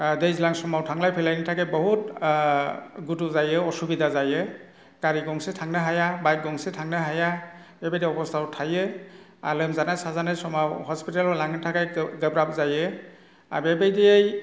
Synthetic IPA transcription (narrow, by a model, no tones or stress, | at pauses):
dejzlaŋsɔmawtʰaŋlajpʰɛlajnitʰakɛbɔɦut̚ | ɡutuzajɛɔsubidʱazajɛ | kaɹiɡɔŋsɛtʰaŋnaɦajabajt̚ɡɔŋsɛtʰaŋnaɦaja | ɛbedɛɔbɔstʰawtʰajɛ | a̰lɔmzanasazanɛsɔmawhɔspitalɔlaŋɛtʰakajɡəbɹap̚zajɛ | a̰bɛbejdɛjej